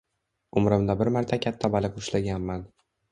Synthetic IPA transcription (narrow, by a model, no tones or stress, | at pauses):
ʊmɾɪmd̪abɪɾmaɾt̪ʰakʲʰat̪ʰːabalɪqʊʃlaɡʲanman